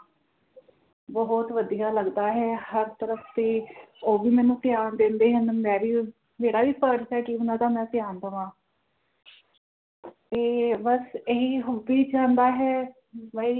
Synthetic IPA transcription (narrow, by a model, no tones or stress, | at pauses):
bəɦɔt̪ʋəd̪ijaːləɡd̪aːɦɛːhəɾt̪əɾəfʰt̪eːoːʋiːmɛ̃ːnũːt̪ɪjaːnd̪ẽːnd̪eːɦənmɛ̃ːʋiː | meːɽaːʋiːpəʈsɛːkiʊnãːd̪aːmɛ̃ːt̪ɪjaːnd̪əʋãː | t̪eːbəseɦiːɦobiːt͡ʃãːnd̪aːɦɛː | bəi